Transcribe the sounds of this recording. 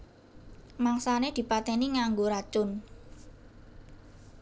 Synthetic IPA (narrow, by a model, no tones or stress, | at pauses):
maŋsaned̪̥i̤pat̪ɛniŋaŋɡoɾḁt͡ʃʊn